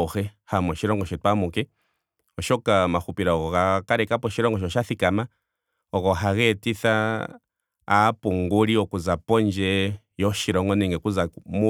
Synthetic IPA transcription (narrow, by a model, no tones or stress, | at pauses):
oxehamweʃiɾoŋɡoʃetwamuke | oʃokamaxupiɾaoɣokakaɾekapoʃiɾoŋɡoʃ̬oʃaθikama | oɣoɦaɣetiθa | puŋɡuɾiokuzapoɲd͡ʒe | joʃiɾoŋɡoniŋɡekuzamu